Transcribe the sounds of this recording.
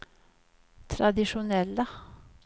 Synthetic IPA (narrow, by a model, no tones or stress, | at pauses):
t̪ʰɾɑd̪ɪʂʊnɛlːə